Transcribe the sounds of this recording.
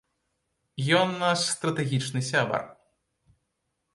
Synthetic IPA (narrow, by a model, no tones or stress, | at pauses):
jɔnːaʂst̪ɾɐt̪ɛɣʲit͡ʂnɨsʲabɐ̰r